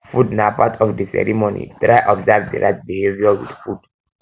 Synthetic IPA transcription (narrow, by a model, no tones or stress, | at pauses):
fudnapatʰɔfdisɛ̰ɹimonḭtɹaɪʔɔbzavdḭɹaɪt̚biheviɔwḭdfud̥